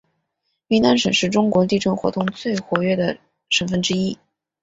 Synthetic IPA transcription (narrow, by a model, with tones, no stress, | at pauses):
mi˧˥na˥nʂə˨˩nʂɻ̩˥˩ʈ͡ʂʊ˥ŋkwɔ˧˥t̪i˥˧ʈ͡ʂɤ˥˩xwɔ̰˧˥t̪ʊ˥˧ŋt͡swe˥˩ɪxwɔ˧˥ɥɛ˥˩d̪ə˩ | ʂə˧˥nfə˥˩nʈ͡ʂɻ̩˥i˥